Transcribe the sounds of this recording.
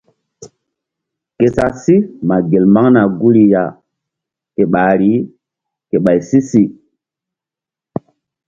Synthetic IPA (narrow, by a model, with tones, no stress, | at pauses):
ke˨sa˨si˦ma˨ɡe˨lma˦ŋna˨ɡu˦ɾi˨ja˨ | ke˨ɓa˨ɾi˦ | ke˨ɓa˨jsi˦si˨